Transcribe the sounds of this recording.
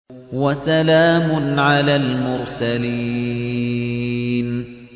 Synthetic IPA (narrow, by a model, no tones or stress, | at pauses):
wasalaːmʊnʕalaːlmʊɾsali | n